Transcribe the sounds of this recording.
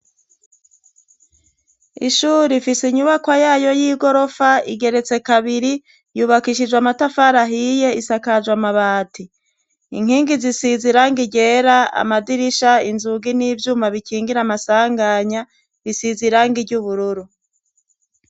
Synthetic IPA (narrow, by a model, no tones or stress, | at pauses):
ḭʃuɾifisiɲuβakwajaːjo̞jiːɡo̞ɾo̞faḭɡe̞ɾe̞t͡se̞kaβiɾi | juːβakiʃid͡ʒwamatafaɾaɦije̞isakad͡ʒwamaβaːti | iŋ̥hiːŋɡizisiziɾaŋɡiɟe̞ɾaa̰madiɾiʃainzuɡiniːvjuːmaβikiːŋɡiɾamasaːŋɡaɲa | βisiziɾaːŋɡiɟuβuɾuɾu